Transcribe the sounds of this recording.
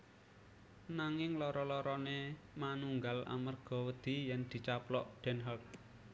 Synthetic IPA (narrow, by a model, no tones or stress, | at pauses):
naŋɪŋlɔɾɔlɔɾɔne | manuŋɡala̰mərɡ̥ɔ̤wəd̪̥i̤jɛnd̪̥i̤t͡ʃaplɔʔɖ̪̥ɛ̤nɦart̪̚